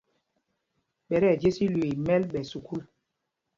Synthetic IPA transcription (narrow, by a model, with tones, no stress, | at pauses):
ɓɛ˨ɾɛ˦˨d͡ʒe˦si˦lwe˨mɛ˦lɓɛ˨su˨kʰu˦l